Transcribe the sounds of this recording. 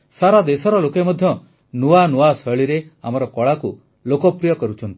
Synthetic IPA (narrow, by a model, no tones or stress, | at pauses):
saɾad̪esɔɾɔlokemɔd̪ʱjɔ | nuanuwasɔɭiɾeamɔɾɔkɔɭaku | lokɔpɾijɔkɔɾut͡ʃʰɔnt̪i̥